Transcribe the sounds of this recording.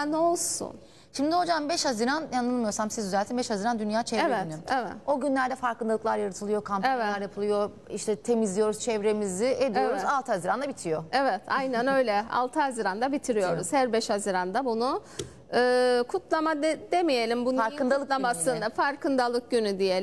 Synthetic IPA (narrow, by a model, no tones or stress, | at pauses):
ano̞lˠsṵn | ʃimd̪iho̞d͡ʒambɛʃhaziɾanjanˠɯlˠmɯjo̞ɾsamsizyzɛlʲt̪ʰinbɛʃhaziɾand̪ynjaːt͡ʃʰɛvɾevɛtnevɛ̰t̪o̞ɟynlʲæɾd̪ɛfaɾkɯnd̪alˠɯklˠaɾjaɾɯt̪ʰɯlˠɯjo̞kʰampevɛaɾjapʰɯlˠɯjo̞ | iʃt̪ʰɛt̪ʰe̞mizlʲijo̞ɾuz̥t͡ʃʰɛvɾe̞mizɪʔed̪ioɾuzalˠt̪ʰɯhaziɾand̪abit̪ʰijo̞evɛt̪ʰajnanø̞jlʲɛa̰lˠt̪ʰɯɦaziɾand̪abit̪ʰiɾijo̞ɾuz̥hæɾbɛʃhaziɾand̪abunu | ɯːkʰut̪lˠamad̪d̪emije̞lʲimbunaɾkɯnalˠɯlˠamasɯnafaɾkɯnd̪alˠɯk̚ɟynyd̪ijelʲ